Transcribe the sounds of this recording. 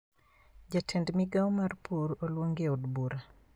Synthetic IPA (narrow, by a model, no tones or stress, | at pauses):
d͡ʒatʰɛndmiɡawmarpʰuɾolwoŋɡeodbuɾa